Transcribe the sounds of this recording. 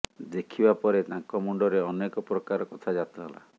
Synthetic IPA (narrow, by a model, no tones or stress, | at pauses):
d̪ekʰibapɔɾet̪ãŋkɔmuɳɖɔɾeɔnekɔpɾɔkaɾɔkɔt̪ʰad͡ʒat̪ɔɦɔla̰